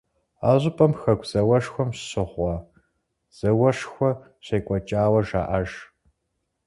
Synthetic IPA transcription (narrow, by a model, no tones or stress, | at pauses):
a̰ːʑʊpʼɐmxɐkʷʰz̥ɐwɐʂxʷɔmɕɕɪʁʷɑ | z̥ɐwɐʂxʷɔ | ɕeːkʷʼɔt͡ʃʼaːwɐʒa̰ːʔɐʒ